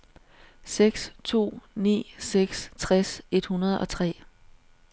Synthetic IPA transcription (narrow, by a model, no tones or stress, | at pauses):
seɡ̥st͡sʰo̝̰ːnḭːseɡ̥st͡sʰʁɛse̝d̥hunɐð̞ˠɒ̽t͡sʰʁɛ̰ː